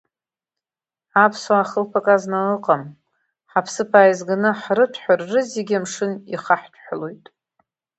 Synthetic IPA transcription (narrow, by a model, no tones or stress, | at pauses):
apʰsoaχəlpʰakʼaznalɨqʼam | ħapʰsɨpʰaːjzɡanɨħrɨtʰħʷᶣarːɨzeɡʲamʂɨnḭχaħtʷʰʼħʷalo̞jtʼ